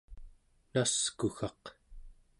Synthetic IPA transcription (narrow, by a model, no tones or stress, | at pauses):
naskuxɑq